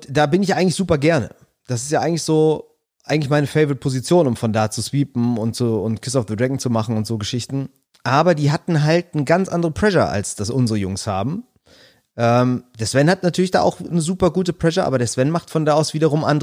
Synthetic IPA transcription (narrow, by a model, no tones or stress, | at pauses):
ʊd̥aːbɪnɪçʔaɪɡŋ̩tlɪçz̥uːpɐɡɛɐnə̰ | d̥asɪstjaːʔaɪɡŋ̩lɪçz̥oː | ʔaɪŋ̩lɪçmaɪnəfɛɪvəʁɪt̚pʰozit͡sjoːnʊmfɔndaːt͡susv̥iːpm̩ʊntt͡suʊntkʰɪsaʊfðədʁɛɡŋ̩t͡sumaχn̩ʊntz̥oːɡəʃɪçtn̩ | ʔaːbɐdiːɦatn̩ɦalt̚nəɡant͡sʔandəʁəpʰl̥ɛʃɐ̰ʔa̰lsd̥asʔʊnzəʁəjʊŋsha̰ːbm̩ | ʔɛːmd̥eːɐsv̥ɛnhatnatʰyːɐlɪçd̥a̰ːʔa̰ʊxnəzuːpɐɡuːtəplɛʃɐʔa̰ːbɐdeːɐsv̥ɛnmaχtfɔndaːaʊsv̥iːdɐʁ̞ʊmʔandə